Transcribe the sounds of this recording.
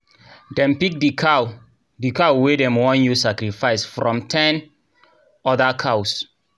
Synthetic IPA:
dɛ̃mpik̚dikʰa | dikawwedɛ̃mwɔ̃njusakɾifaɪsfɾɔ̃mtʰɛ̃n | ɔdakʰaws

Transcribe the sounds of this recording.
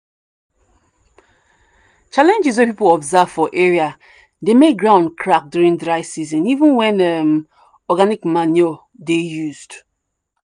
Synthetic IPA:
t͡ʃalɛ̃nd͡ʒizwepipolɔbzavfɔʔeɹia | demeɡɹãʊ̃ndkʰɹak̚djuɹĩndɾaɪsizɔ̃nivũnwɛ̃nɛm | ɔɡanikmanjo | dejuzd

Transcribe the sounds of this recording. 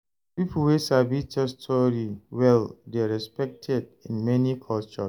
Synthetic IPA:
pipul̩wesabit͡ʃɔstʰɔɾiwɛldeɹɛspɛk̚tʰɛdĩnmɛnikʰɔlt͡ʃɔs

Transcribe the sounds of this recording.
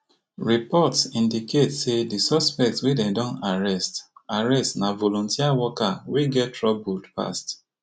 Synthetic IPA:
ɹipɔtsĩndiketsedisɔspɛk̚tswedɛ̃ndɔ̃naɹɛstaɹɛstnavolɔ̃ntiawɔkaweɡɛtɹɔbodpa̰st

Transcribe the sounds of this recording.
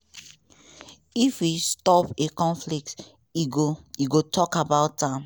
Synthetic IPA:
ifistɔpekɔ̃nflik̚t | oiɡotʰɔkabaʊtːãm

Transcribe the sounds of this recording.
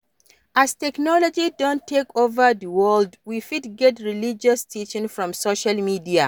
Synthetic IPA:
ʔastɛknɔlɔd͡ʒidɔ̃ntʰːekʰovəðəwɜldwifitɡɛtɹilid͡ʒɔstʰit͡ʃɪ̃ŋfɹɔ̃msoʃalmidia

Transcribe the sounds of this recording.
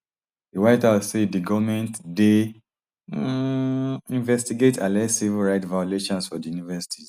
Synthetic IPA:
diwaɪtasediɡɔvmɛ̃ntde | ĩnvɛstiɡetʰãnlɛtsivilɹaɪtvajɔleʃɔ̃nsfɔdijunivɛsi̥tʰi

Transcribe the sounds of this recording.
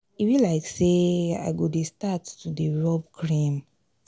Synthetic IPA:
ifilaɪksea̰ɪɡodestatːudeɹɔb̚kʰɹĩm

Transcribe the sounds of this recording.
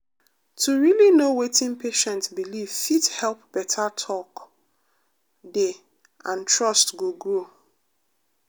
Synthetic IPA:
tʰuɹilinowetĩnpʰeʃɛ̃ntsbiliv̥fithɛlˠp̚b̥ɛtʰatʰɔk | de | ãntɹɔstɡoɡɹo

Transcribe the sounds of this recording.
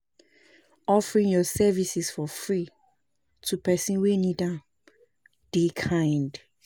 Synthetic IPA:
ɔfɹĩŋjɔsɛvisisfɔfɹi | tʰupɛsĩnwenida | d̥ekʰãɪ̃nd

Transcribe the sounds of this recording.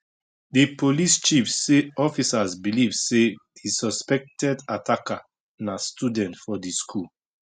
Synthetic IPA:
dipolist͡ʃifsːeɔfisazbilivsehisɔspɛk̚tɛdatʰaka | nastudɛ̃ntfɔdiskʰul

